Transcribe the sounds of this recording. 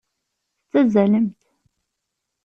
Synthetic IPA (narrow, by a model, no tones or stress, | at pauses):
θt͡s̪ːæzæləmt̪